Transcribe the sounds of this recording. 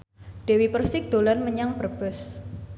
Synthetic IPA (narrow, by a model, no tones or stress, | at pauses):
ɖ̥ewipərsɪk̚d̪̥o̤lanməɲaŋpərb̥ʊs